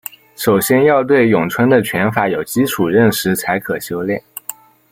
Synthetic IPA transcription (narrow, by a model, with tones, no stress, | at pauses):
ʂo˨˩ʊɕjɛ˥njɑ˥˧ʊt̪̬we˥˩ɪjʊ˨˩ŋt͡sʰwə˥nd̪ə˨t͡ɕʰɥɛ˧˥nfa˧˥jo˨˩ʊt͡ɕi˥ʈ͡ʂʰu˨˩ɻə˥˩nʂɻ̩˧˥t͡sʰa˧˥ɪkʰɤ˨˩ɕjo˥ʊljɛ̰˥˩n